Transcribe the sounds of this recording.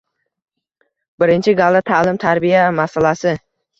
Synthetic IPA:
bɪɾɪnt͡ʃʰɪɡalˠat̪ʰalɪmt̪ʰaɾbijamasalasɪ

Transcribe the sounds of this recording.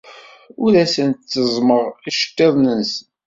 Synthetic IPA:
ʊɾæsənt̪t͡sːəzˤməʁiʃə̥tːeðˤnəns

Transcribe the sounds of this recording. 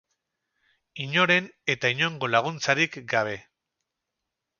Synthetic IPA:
iɲo̞ɾe̞ne̞t̪aiɲo̞ŋɡo̞laɣ̞unt͡saɾikɡaβ̞e̞

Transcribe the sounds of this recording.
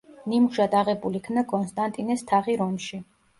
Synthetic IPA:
nimʒad̪aʁɛbulikʰnakʼɔnst̪ʼant̪ʼinɛst̪ʰaʁiɾɔmʃi

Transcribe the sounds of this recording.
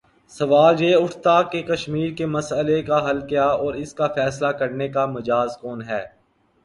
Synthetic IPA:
sɐʋaːljeːʊʈʰt̪akekɐʃmiːɾkemɐsəlekaɦɐlkjaːɔːɾɪskafʰɛːslakɐɾnekamɐd͡ʒaːzkɔːnɦɛː

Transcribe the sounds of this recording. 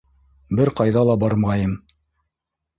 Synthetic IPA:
bɘɾqɑjðɑlˠɑbɑɾmɑjɤm

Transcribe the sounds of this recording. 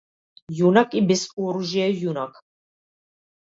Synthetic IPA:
junakʼibɛsuɔɾuʒɛɛjunakʼ

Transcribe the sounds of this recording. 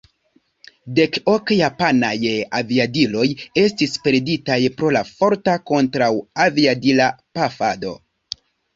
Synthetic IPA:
de̞ko̞kjapanajaviadilo̞je̞stispe̞ɾditajpɾo̞lafo̞ɾtako̞ntɾawaviadilapafado̞̰

